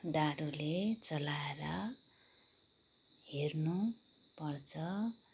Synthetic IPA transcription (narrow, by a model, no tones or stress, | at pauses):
ɖaɾulet͡sʌlaeɾʌ | hernu | pʌrt͡sʰʌ